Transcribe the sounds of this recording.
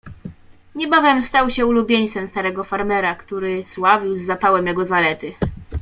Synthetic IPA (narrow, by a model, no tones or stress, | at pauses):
ɲɛbavʲjɛmst̪awɕɛulubʲjeɲt̪sɛmst̪aɾɛɡɔfaɾmɛɾakt̪uɾɘswavʲiwzːapawɛmjɛɡɔzalɛt̪ɘ